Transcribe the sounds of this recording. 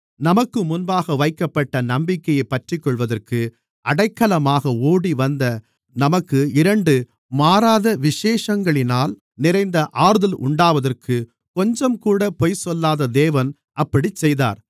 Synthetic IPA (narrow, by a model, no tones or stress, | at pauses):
nɐmɐkːɯmʊnbaːɣɐʋɐɪkːɐpːɐʈːɐnɐmbɪkːɐjɐɪpːɐʈrɪkːɔɭʋɐðɐrkɯ | ʔɐɽɐɪkːɐlɐmaːɣɐoːɽiʋɐnd̪ɐ | nɐmɐkːɯɪɾɐɳɖɯ | maːɾaːðɐʋɪʂeːʂɐŋɡɐɭɪnaːl | nɪɾɐɪnd̪ɐʔaːɾɯðɐlʔʊ̰ɳɖaːʋɐðɐrkʰɯ | kɔɲd͡ʒɐmkuːɽɐpɔjsɔlːaːðɐd̪eːʋɐn | ɐpːɐɽit͡ʃːɛjða̰ːɾ